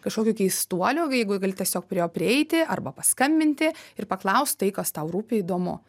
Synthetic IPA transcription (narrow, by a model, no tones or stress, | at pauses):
kɐʃkoːkʲuːkʲɛɪsst̪uɔlʲʊːjɛɪɡʊɡɐlʲɪt̪ʲɛsʲoːk̚pʲɾʲɪjoːpʲɾʲɪɛɪt̪ʲɪʔɐrbɐpɐskɐmʲbʲɪnʲt̪ʲɪɪrpɐklˠɐʊst̪t̪ɐɪkɐst̪ɐʊɾuːpʲɪiːd̪oːmʊ̰